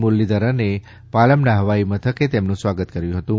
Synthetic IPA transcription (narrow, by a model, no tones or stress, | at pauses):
mʊlːid̪əɾəne | paləmnaɦəʋaimãt̪ʰəket̪emnũsʋaɡət̪kəɾjũɦət̪ũ